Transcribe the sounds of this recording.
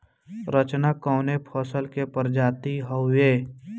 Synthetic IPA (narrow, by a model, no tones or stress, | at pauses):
ɾət͡ʃnakɔːnepʰɔːsəlkepəɾd͡ʒaːt̪iɦəʊeː